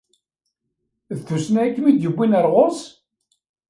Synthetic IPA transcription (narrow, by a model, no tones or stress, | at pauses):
ðθusnæikːmid̪jəbʷːinəɾʁos